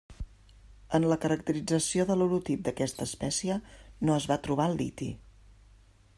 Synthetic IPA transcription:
ənləkəɾək̚t̪əɾid͡zəsioðəluwɾut̪ip̚d̪əkɛst̪əːspɛsiənoəzβat̪ɾuβ̞alˠḭt̪ḭ

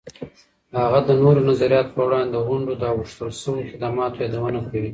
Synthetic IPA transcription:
haɣad̪ənoɾonazaɾijɑt̪o̥pəwɽɑnd̪ed̪əɣʊɳɖod̪əaɣəʂt̪əlsəwoxɪd̪amɑt̪ojɑd̪awənakawi

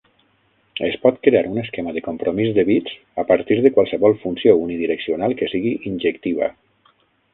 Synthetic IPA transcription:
espɔt̪kɾeaɾuneskemaðəkompɾomizd̪eβit͡s | apəɾt̪iɾðəkwalˠsəβɔlˠfunsiouniðiɾəksionalˠkəsiɣiʔinʲd͡ʒekt̪iβa̰

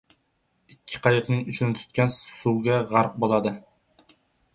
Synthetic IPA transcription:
ikʲʰːi̥qʰɑjəqnɨŋyt͡ʃʰynt̪ʰy̥t̪̚kʲɛnsuɡʲɛʁɑɾq̚bolˠɑd̪ɨ

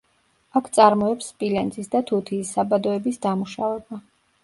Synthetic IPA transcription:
akʰt̪sʼaɾmɔɛpspʼilɛnzʼisd̪at̪ʰut̪ʰiːsːabad̪ɔɛbisd̪amuʃavɛba

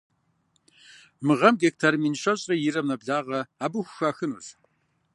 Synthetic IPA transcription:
mɨʁɐmɡek̚tʰɐrminʃɐɕʼɐjɪɾɐmnɐbɮaːʁɐaːbɨxʷʊxaːxɨnṵɕ

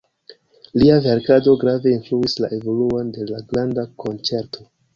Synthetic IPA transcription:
liave̞ɾkado̞ɡɾave̞influisla̰ʔe̞vo̞luonde̞laɡɾandakʰo̞nt͡se̞ɾtʰo̞

